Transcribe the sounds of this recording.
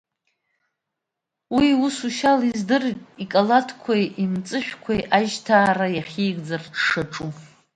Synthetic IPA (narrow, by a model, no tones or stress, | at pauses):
wiusuʃalizdɨritʼikʼalatʰkʷʰajʔimt͡sʼɨħʷᶣkʷʰajʔaʒtʰaːrajaχʲiːɡʼd͡zarʂaʈ͡ʂʼu